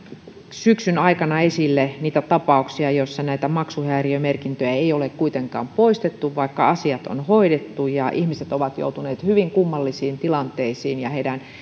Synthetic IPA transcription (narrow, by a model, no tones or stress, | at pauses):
syksynɑikɑnɑesilːeniːt̪æt̪ɑpɑˑuksiɑjosːɑnæit̪æmɑksuhæːriømerkint̪øjæeiolekkuit̪eŋkɑ̰ːmpoist̪et̪ːuʋʋɑikːɑɑsiɑt̪o̰nhoidet̪ːujɑʔihmiset̪oʋɑt̪jo̰ut̪uneːt̪hyʋiŋkumːɑlːisiːnt̪ilɑnt̪eisiːnjɑheidæn